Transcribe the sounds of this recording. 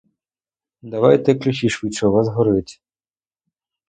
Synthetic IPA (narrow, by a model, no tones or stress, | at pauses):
d̪ɐʋɑjt̪ɛklʲʊxʲiʃʋit͡ʃɔʋɑzɦɔɾɪt̪ʲ